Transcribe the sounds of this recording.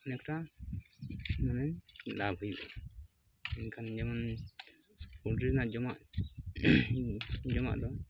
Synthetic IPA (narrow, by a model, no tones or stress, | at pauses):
nɛkʈa | manɛlabʱujbɔ̰ | ɛnkʰand͡ʒaman | udinaʔd͡ʒɔmaʔ | d͡ʒɔma̰ʔd̪ɔ